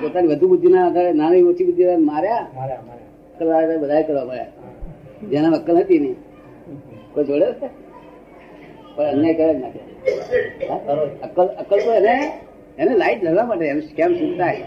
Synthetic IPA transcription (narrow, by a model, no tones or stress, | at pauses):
pot̪aniʋəd̪ʱubud̪ʱːinaəɡ̪aɾenanaiot͡ʃʰibud̪ʱːiɾamaɾja | əkːəlʋaɾed̪abəd̪ʱakəɾʋapəɾja̰ | d͡ʒenaəkːəlɦət̪ini | kojd͡ʒoɽeɾse | pəɳənjajkəɾad͡ʒnat̪ʰa | aəkːələkəlt̪əene | enelaiʈd͡ʒəɾʋaməʈeəmeskɛmsũɡt̪aɦe